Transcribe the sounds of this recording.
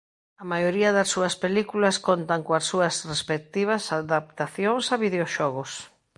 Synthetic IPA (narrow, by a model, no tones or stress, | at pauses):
ɐmajoɾiɐðɐsːuɐspelikulɐskont̪aŋkoɐsːuɐsrespek̚t̪iβ̞ɐsaðapt̪aθjoŋsɐβiðeoʃɔɣʊs